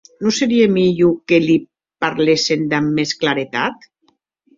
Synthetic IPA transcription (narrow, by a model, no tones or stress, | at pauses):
noseɾiemiʎukeli | paɾlesend̪amːesklaɾet̪a̰t̪